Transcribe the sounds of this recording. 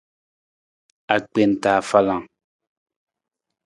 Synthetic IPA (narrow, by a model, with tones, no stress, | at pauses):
a˨k͡pe˨n˨taː˨fa˦lã˨ŋ